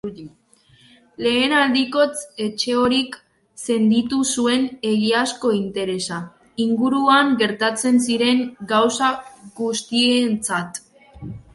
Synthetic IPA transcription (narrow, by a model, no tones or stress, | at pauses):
le̞ːnald̪iko̞t͡se̞t͡ʃe̞o̞ɾik | se̞nd̪it̪usue̞ne̞ɣiasko̞int̪e̞ɾe̞sa | iŋɡuɾuaŋɡe̞ɾt̪at͡se̞nsiɾe̞ŋɡawsaɣust̪ient͡sat̪